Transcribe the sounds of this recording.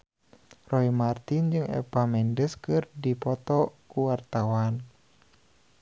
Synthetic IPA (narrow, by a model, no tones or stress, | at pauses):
rɔimart̪ind͡ʒɨŋɛ̰pamɛndəskɨrdipɔt̪ɔkuwart̪awan